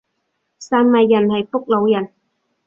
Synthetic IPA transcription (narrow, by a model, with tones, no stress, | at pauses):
saː˧nmɐ˨jːɐ˨˩nhɐ˨jfʊ˥k̚lo˨˧wjɐ˨˩n